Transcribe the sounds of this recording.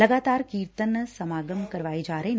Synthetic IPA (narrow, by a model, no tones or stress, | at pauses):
lɐɡaːt̪aːɾkiːɾt̪ənːsɐmaːɡəmkɐɾʋaːed͡ʒaːɾen